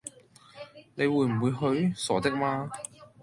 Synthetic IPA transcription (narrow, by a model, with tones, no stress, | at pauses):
ne˨˧jwuː˨˧jm̩˨˩wu˨˧jɦɵ˨˥ɥsɔː˨˩t̪ɪ˥k̚maː˧˥